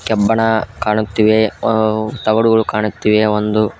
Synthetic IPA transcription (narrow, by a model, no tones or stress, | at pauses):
kɛbːɐɳɐkaːɳut̪ːiʋe | t̪ɐɡɐɽuɡɐɭukaːɳut̪ːiʋeond̪u